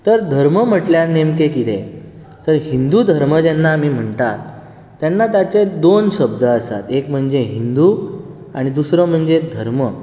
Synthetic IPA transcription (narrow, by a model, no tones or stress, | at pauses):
t̪əɾd̪ʱəɾməm̤əʈljaɾnemkekit̪e | t̪əɾɦind̪ud̪ʱəɾməd͡ʑɛnːamiːm̤əɳt̪at̪ː | janːat̪jat͡sed̪onɕəbd̪ʱəəsa̰t̪ekm̤əɳd͡zeɦind̪u | aɽ̃id̪usɾɔm̤əɳd͡zed̪ʱəɾmə